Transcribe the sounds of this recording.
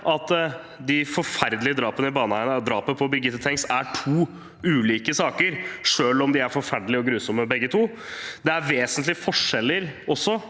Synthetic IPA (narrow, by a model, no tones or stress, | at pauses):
ʔɑt̪ | d̪ɪfɔɾfæɾd̪lɪəd̪ɾɑːpənəɪbɑːnəhæɪnəd̪ɾɑːpəəpʰɔbɪɡɪt̪ːət̪ʰɛŋst̪æʈʰuː | ʉːliːkəsɑːkəɾʂøːlɔmd̪ɪæɾfɔɾfæɖl̩ɪɔɡɾʉːsɔmːəbɛɡːət̪ʰuː | d̪ɛæɾʋeːsənt̪lɪfɔʂɛlːəɾɔsːɔ